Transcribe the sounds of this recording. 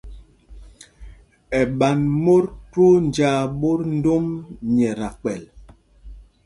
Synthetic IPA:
ɛ˨ɓa˨nmo˦ɾto˦n˨d͡ʒaː˦ɓo˦ɾn̩˦do˦mɲɛ˨ɾa˨k͡pɛ˨l

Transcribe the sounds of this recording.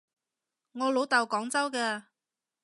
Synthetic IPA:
ŋɔː˨˧lo˨˧wt̪ɐ˨wkɔː˨˥ŋt͡sɐ˥wkɛː˧

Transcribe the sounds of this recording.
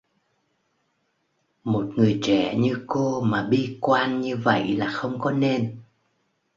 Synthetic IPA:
mo˨˩t̚ŋɨ˨˩əjt͡ɕɛ̰˧˩˨ɲɨ˧ko˧maː˨˩ɓi˧kwaː˧nɲɨ˧və̰˧˨jlaː˨˩xə˧wŋ͡mkɔ˨˦ne˧n

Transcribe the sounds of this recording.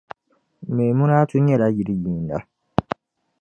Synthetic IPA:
me˨mũ˦naː˦tu˦ɲɛ˦la˦ji˨ɾi˦jĩː˨nda̰˨

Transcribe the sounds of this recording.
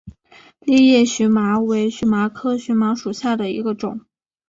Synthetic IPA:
li˥˧jɛ˥˩ɕy˧˥ma˧˥we˧˥ɪɕy˧˥ma˧˥kʰɤ˥ɕy˧˥ma˧˥ʂu˨˩ɕja˥˩d̪ə˩ḭ˧˥ɡə˧ʈ͡ʂʊ˨˩˦ŋ

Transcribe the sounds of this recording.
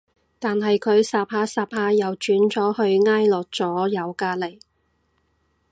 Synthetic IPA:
t̪aː˨nɦɐ˨jkʰɵ˨˧ɥsaː˨p̚haː˧saː˨p̚haː˧jɐ˨wt͡ʃyː˨˥nt͡sɔː˨˥hɵ˧ɥŋaː˥jlɔː˨˩k̚t͡sɔː˨˥jɐ˨˧wkaː˧le˨˩j

